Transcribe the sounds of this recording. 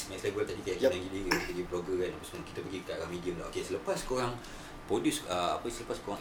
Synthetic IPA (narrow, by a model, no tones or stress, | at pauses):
mɛ̃slebəlt̪adikajaʔkianaŋɡidiɾipəɡipɾoɡakanapasmãnkit̪əpəɡikkaʔaɾahmidiəmdaʔokesələpaskoɾaŋ | pɾodjusəa̰pəsələpaskoɾaŋ